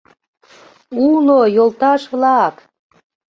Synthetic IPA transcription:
unojolt̪ɑʃβlɑk

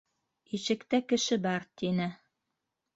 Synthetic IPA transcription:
iʃɘ̆kt̪ækɘ̆ʃɘbɑɾt̪inɘ

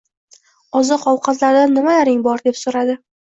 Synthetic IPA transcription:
ɒzɨqʰɒwqʰɑt̪laɾd̪anːɪmajaɾɪŋbɒɾd̪e̞psoɾad̪ɪ

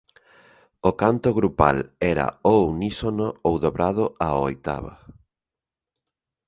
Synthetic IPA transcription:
okant̪oɣɾupa̰lɛɾa̰ownisonoowðoβɾað̞ʊao̰jt̪a̰βa̰

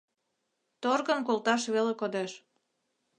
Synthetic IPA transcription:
t̪orɣənkolt̪ɑʃβelekod̪eʃ

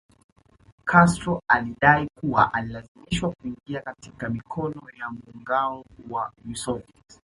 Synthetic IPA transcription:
kʰastɾɔaliɗaikuwaʔalilaziimiʃwakuiŋɡiakatikamikʰɔnɔjamuŋɡaɔwamusɔvit

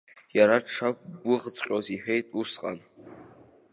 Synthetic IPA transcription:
jaɾaʈ͡ʂʰak̚ʷʼɡʷʊʁt͡sʼqʲʼoziħᶣe̞jtʼusqʼa̰n

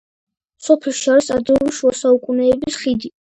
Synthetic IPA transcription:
sɔpʰɛlˠʃiaɾisad̪ɾɛuliʃuasaukʼunɛːbisχid̪i

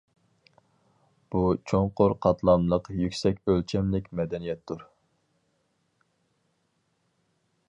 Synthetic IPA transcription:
b̥ut͡ʃʰoɴqʰoɾqʰɑt̪ʰlˠɑnlˠəqjykʲsɛkʲølt͡ʃʰɛmlɪkʲmɛd̪ɛnijɛt̪ːuɾ

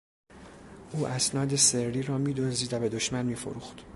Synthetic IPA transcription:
ʔuːʔæsnɒːd̪e̞seɾːiːɾɒːmiːd̪oziːd̪væbe̞d̪oʃmænmiːfo̰ɾuːxt̪

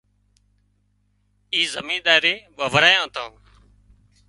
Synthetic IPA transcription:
iːzəmĩːɗ̪aːɾeːɓaːʋəɾaːjãːt̪ʰõː

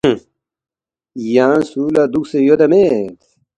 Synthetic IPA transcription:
jaːnsuːlad̪uksejod̪ɐmet̪

